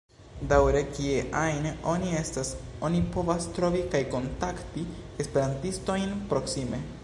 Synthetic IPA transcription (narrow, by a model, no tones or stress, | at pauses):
dawɾe̞kie̞ʔajneʔo̞nie̞staso̞nipo̞vastɾo̞vikajko̞ntaktiespe̞ɾantisto̞jnpɾo̞ksime̞